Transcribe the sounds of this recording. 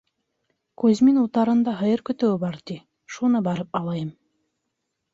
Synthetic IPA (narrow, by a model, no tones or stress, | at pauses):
kʉzminut̪ɑɾɤ̆nd̪ɑɦɤ̆jɤɾkɵ̆t̪øwbɑɾt̪i | ʃunɤbɑɾɤp̚ɑlˠɑjɤm